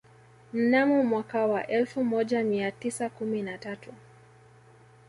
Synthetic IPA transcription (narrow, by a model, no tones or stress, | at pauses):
m̩namumwakawaʔɛlfumɔʄamiatisakuminatatu